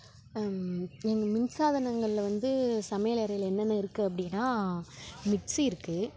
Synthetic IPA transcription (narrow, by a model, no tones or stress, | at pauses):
ɛŋɡɐmɪnsaːðɐnɐŋɡɐɭɪlʋɐnd̪ɯsɐmɐjlɐɾɐɣɪɭɛnːɐnːɐɪɾɯkːɯɐp̬ːɐɽɪnːaː | mɪʈsiɪɾɯkːɯ